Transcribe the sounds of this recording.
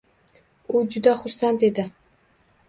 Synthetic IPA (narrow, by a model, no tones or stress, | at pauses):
ud͡ʒʊd̪aχʊɾsant̪ed̪ɪ